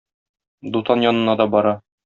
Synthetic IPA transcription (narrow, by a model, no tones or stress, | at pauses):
d̪ut̪ɑnjɒnɤ̆nɑd̪ɒbɒɾɑ